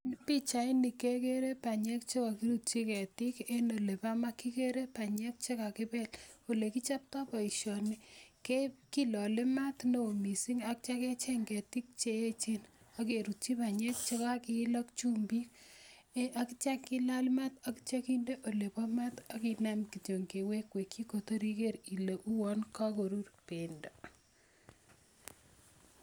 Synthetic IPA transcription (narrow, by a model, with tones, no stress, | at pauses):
npi˦t͡ʃa˨i˦ni˨ke˦ke˦ɾe˦pa˨ɲɛ˦k̚t͡ʃe˦ka˨ki˦ɾu˦t̚t͡ʃi˦ke˨ti˦ke˦no˨le˨pa˦ma˦kːi˦ke˦ɾe˦pa˨ɲɛ˦k̚t͡ʃe˦ka˨kɪ˦pɛ˦lo˨le˨ki˦t͡ʃa˦p̚ta˦pɔ˨i˨ʃɔ˨ni˦ke˦ki˦lɔ˨le˦ma˦tno˨o˨mi˨si˦ŋa˨k̚t͡ʃa˦ke˦t͡ʃe˦ŋɡɛ˨ti˦k̚t͡ʃe˦e˦t͡ʃe˦n | ɔ˦k̬e˨ɾu˨t͡ʃi˦pa˨ɲe˦k̚t͡ʃe˦ka˦ki˦lɔ˦kt͡ʃu˦mbi˦k | ʔa˦ki˦t͡ʃa˦kki˦la˦lma˦ta˦ki̥t͡ʃa˦ki˦nde˦ʔo˨le˨pɔ˦ma˦tɔ˦kina˦mki˨t͡ʃo˨ŋɡe˨we˦kwe˨kːi˦ko˨to˦ɾi˦ke˦ɾi˨le˨ʔu˦wɔ˦nka˦ko˨ɾu˦rpe˨ndo˨